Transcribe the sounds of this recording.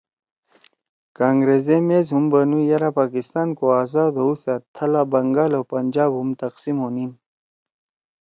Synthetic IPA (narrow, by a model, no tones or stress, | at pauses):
kaːŋɡɾeːzemeːzɦumbɐnũjɐɾapaːkist̪aːnkoaːzaːd̪ousat̪ʰɐlabɐŋɡaːlowpɐnd͡ʑaːbɦumt̪ɐqsimonin